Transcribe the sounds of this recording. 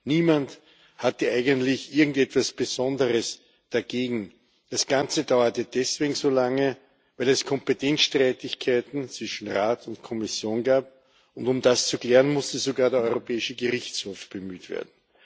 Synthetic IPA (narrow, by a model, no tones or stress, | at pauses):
niːmant | hatəʔaɪɡəntlɪçʔɪɐɡŋ̩tɛtv̥asb̥əzɔndəʁəs | d̥aɡeːɡŋ̩ | d̥asɡ̥ant͡sədaʊɐtəd̥ɛsv̥eːɡŋ̩zoːlaŋə | væɪlɛskʰɔmpətʰɛnt͡sʃtʁaɪtɪçkʰaɪtn̩t͡sv̥ɪʃn̩ʁaːtʊntkʰɔmɪsjoːnɡaːp̚ | ʊndʊmdast͡suklɛːʁənmʊstəzoɡaːɐɾeɐɔʏʁopʰɛːɪʃəɡəʁɪçt͡shoːfb̥əmyːtv̥ḛːɐdn̩